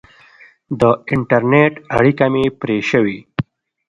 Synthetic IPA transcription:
d̪əɪɳʈɐɾneʈɐɽikɐmepɾeːʃəwi

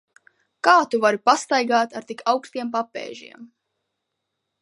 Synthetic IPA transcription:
kaːt̪uvaɾipast̪ajɡaːt̪aɾt̪ikʰawkst̪iɛmpapɛ̰ːʒḭɛm

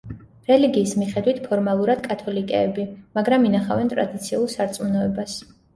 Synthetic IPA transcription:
ɾɛliɡiːsmiχɛd̪wit̪ʰpʰɔɾmalˠuɾad̪̥kʼat̪ʰɔlikʼɛːbimaɡɾaminaχavɛnt̪ʼɾa̰d̪it̪sʰiulˠsaɾt̪sʼmunɔɛbas

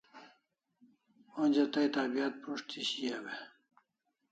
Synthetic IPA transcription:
onʲd͡ʑɐt̪ajt̪aːbijat̪̚puʂt̪ʰiɕijabe

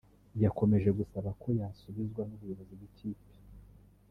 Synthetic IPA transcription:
jako̞me̞ʒe̞ɡusaβakʰo̞jasuβizɡwanuβujoβozibɡicʰiːpi̥

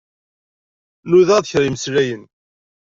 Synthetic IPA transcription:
nuðæðçɾiməslæjən

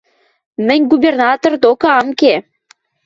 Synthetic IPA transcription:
mɘ̆nʲɡubʲernɑt̪ord̪okɤ̆ɑmke

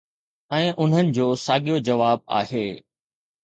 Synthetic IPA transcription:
ɛ̃ːʔʊn̤ənɪ̆d͡ʑoːsaːɠijod͡ʑɐʋaːb̚a̰ːheː

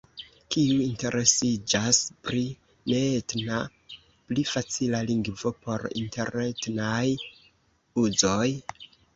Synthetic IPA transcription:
kiuinte̞ɾʔe̞sid͡ʒaspɾi | ne̞tna | plifat͡silaliŋɡvo̞po̞ɾḭnte̞̰ɾne̞tnaj | uzo̞j

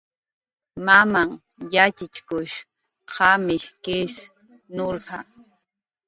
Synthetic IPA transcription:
mamaŋ | jat͡ʃɪt͡ʃkʊʃ | qɑmɪʃkɪs | noɾɢɑ

